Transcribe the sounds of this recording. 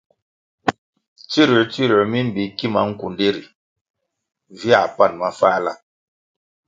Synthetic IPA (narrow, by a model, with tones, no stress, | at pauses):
t͡ʃi˦ɾi˨t͡ʃi˦ɾi˨mi˦m̩˦bi˨ki˦ma˦ŋ̩˦ku˨nde˦ɾi˨ | vi˦a˨pa˦˨nma˦faː˦la̰˦˨